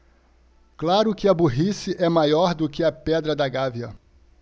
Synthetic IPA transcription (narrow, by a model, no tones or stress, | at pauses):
klaɾʊkɪɐbuɦisɪʔɛmajɔɾd̪ʊkɪɐpɛd̪ɾɐd̪ɐɡaviɐ̰